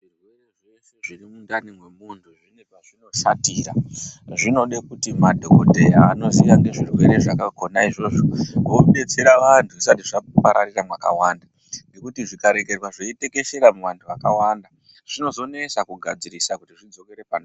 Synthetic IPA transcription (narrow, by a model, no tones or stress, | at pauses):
ʐirwe̞reʐeseʐirimundanimwe̞muntʰuʐinepaʐino̞satiːɾa̰ʐino̞ɗekutimadʱokodʱe̞jaːno̞ziʋaŋɡe̞ʐirwe̞ɾe̞ʐakako̞naiʐo̞ʐoɡoɓe̞t͡se̞ɾaʋantʰusatiʐapaɾariramwaka̰wanda | ŋɡe̞kutiʐikaɾe̞ke̞rwaʐeite̞ke̞ʃe̞ɾamuʋantʰuʋakawanda | ʐ̥ino̞zo̞nesakuɡʱa̰d͡ziɾisakutiʐid͡zo̞ke̞ɾe̞pan